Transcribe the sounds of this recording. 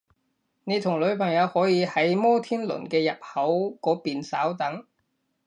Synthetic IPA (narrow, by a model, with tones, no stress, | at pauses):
ne˨˧jt̪ʰʊ˨˩ŋlɵ˨˧ɥpʰɐ˨˩ŋjɐ˨˧whɔː˨˥jiː˨˧hɐ˨˥jmɔː˥t̪ʰiː˥nlɵ̰˨˩nkɛː˧jɐ˨p̚hɐ˨˥wkɔː˨˥piː˨nsaː˨˥wt̪ɐ˨˥ŋ